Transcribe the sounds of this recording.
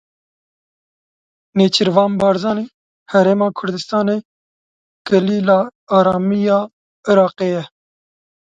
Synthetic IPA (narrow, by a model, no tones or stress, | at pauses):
neːt͡ʃʰɨɾvɑːmbɑːɾzɑːniː | hɛɾeːmɑːkʰʊɾd̪ɨst̪ɑːne | ɡ̥ɛliːlɑːɑːɾɑːmijɑː | ɨɾɑːqeːjɛ